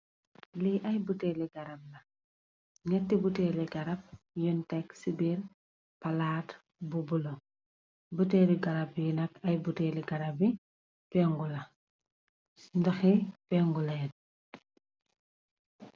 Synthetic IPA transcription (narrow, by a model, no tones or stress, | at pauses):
liʔɐjbutɛliɡɐɾɐp̚lɐ | ŋɛtːibutɛːliɡɐɾɐp̚ | juntɛksibil | pɐlaːt | bubulɔ | butɛːliɡɐɾɐpjunɐkɐjbutɛliɡɐɾɐbi | pɛŋɡulɐ | ndɐxipɛŋɡulɛt̚